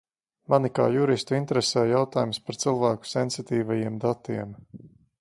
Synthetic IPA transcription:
manika̰ːjuɾist̪uint̪eɾesɛːjawt̪aːjumspaɾt̪silˠvæːku̥sɛnsit̪iːvajiɛmd̪at̪iɛm

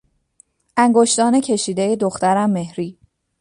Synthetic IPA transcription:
ʔæŋɡoʃt̪ɒːne̞cʰe̞ʃiːd̪eje̞d̪oxt̪æɾæmːe̞hɾiː

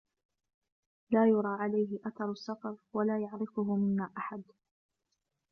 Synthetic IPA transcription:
laːjʊɾˤɑːʕalajɦɪʔat̪ɑɾˤsːɑfɑɾˤwalaːjaʕɾɪfʊɦʊmɪnːaːʔaħad̪

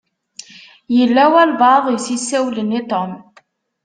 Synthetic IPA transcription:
jəlːæwælvɑðˤijsisːæwlənːit̪ˤom

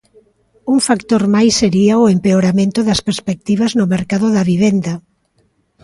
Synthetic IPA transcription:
uŋfakt̪oɾmajsːeɾiaoempeoɾamẽnt̪ʊðɐspeɾspek̚t̪iβ̞ɐznʊmeɾkaðʊðɐβiβ̞end̪ɐ

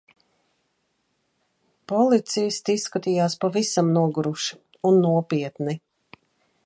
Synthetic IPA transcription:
pɔlˠit̪sijst̪isːkat̪iːjaːspavisamnuɔɡuɾuʃi | unːuɔpiɛt̪ni

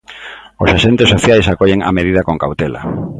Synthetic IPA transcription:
osaʃent̪ɪsːoθjajsakoʎeŋa̰meðiðɐkoŋkawt̪ela̰

